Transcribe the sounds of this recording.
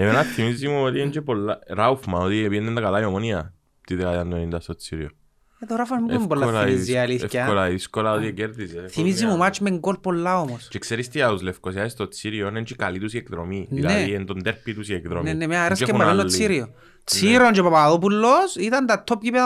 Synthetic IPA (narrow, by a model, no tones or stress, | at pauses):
evenaθimizːimuot̪ient͡ʃepolːaɾaufmaot̪iepienːend̪akalaiomonia | t̪iðekajand̪onind̪ast̪ot͡sːiɾio | eðoɾafamibuibolːaizialiθcɐlaiðiskolaot̪ieceɾðiseθimizːimomat͡ʃmeŋɡolpolːaomost͡ʃekseɾist̪iauzlefkosjaist̪ot͡sːiɾionent͡ʃekalit̪usiekðɾomiðinleiend̪ond̪eɾpːit̪usiekðɾomnenːemeaɾaskemaannot͡sːiɾio | t͡sʰiɾont͡ʃepapaðop̬ulːosit̪ɐnd̪at̪ʰːopɡipe